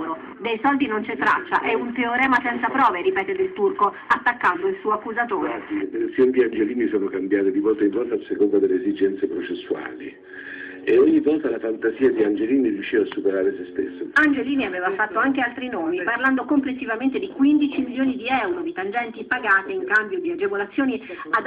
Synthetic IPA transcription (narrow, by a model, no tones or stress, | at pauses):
ɾo | d̪ejsɔld̪inont͡ʃet̪ːɾa̰t͡ʃːa̰ʔɛunt̪eoɾɛːmasɛnt̪sapɾɔːveɾipɛːt̪ed̪elt̪urko | at̪ːakːand̪oilsuːoakːuzat̪oːɾet̪ensjonid̪iand͡ʒeliːnisoːnokambjaːt̪ed̪ivɔlt̪aiɱvɔlt̪asekond̪ad̪elːeːzid͡ʒɛnt̪sepɾot͡ʃesːua̰ːlḭ | eoɲːivɔːt̪alafant̪aziːad̪iand͡ʒeliːnirjuʃːiːvaːsːupeɾaːɾesest̪ḛsːoand͡ʒeliːniaveːvafat̪ːoaŋk̟ealt̪ɾinoːmiparland̪okomplesːivament̪ed̪ikwind̪it͡ʃimiljoːnid̪iɛwɾod̪it̪and͡ʒɛnt̪ipaɡaːt̪eiŋkambjod̪iad͡ʒevolat̪sːjoːnia